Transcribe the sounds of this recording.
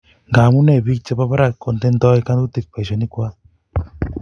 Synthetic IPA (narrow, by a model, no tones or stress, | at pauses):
ɡamunebik̚t͡ʃəpapaɾakːɔnt̪end̪ɔjkanɡut̪ik̚pajsɔnikua